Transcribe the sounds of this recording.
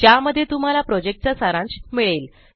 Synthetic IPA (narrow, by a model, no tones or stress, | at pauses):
tjaməd̪ʱjet̪um̤alapɾɔd͡ʑek̚ʈ̚t͡ɕasaɾãnt͡smiɭel